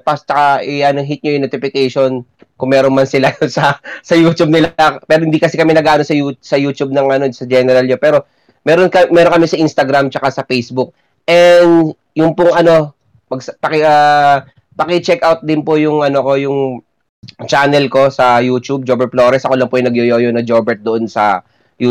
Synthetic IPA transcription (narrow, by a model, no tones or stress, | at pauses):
pɐst͡ʃ̪ɐkaʔɪʔɐnoɦit̪̚ɲojʊŋnot̪ɪfɪkejʃo̞n | kʊŋmɛːɾonmɐnsɪlaosɐsɐjuːt͡ʃ̪ub̚nɪlpɛːɾohɪnd̪ikɐsɛkɐmɛnɐɡʔaːnosɐjusɐjuːt͡ʃub̚nɐŋʔɐnosɐd͡ʒɛnɛɾɐlɲopɛːɾo̞ | mɛːɾonkɐmɛːɾokɐmɛsɐʔinst̪ɐɡɾamt͡ʃɐkasɐpejsbʊk̚ | ʔɛnd̪ | jʊŋpʊŋʔɐno̞ | pɐɡspɐkɪʔa | pɐkɪt͡ʃɛkʔawt̪̚d̪ɪnpojʊŋʔɐnoko̞jʊŋ | t͡ʃaːnɛlko̞sɐjuːt͡ʃub̚d͡ʒoːbɛɹt̪̚flo̞ːɾɛsʔɐko̞lɐŋpojʊŋnɐɡjojoːjonɐd͡ʒobɛɹt̪̚d̪oʔonsɐ̰ | ju